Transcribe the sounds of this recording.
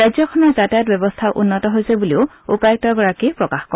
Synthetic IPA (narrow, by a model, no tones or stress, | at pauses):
ɹajzɔkʰɔnɔɹzatajɔt̚bɛbɔstʰaʔṵnːɔtɔɦojsebuliʊ | upajɔk̚tɔɡɔɹakipɹɔkaxkɔ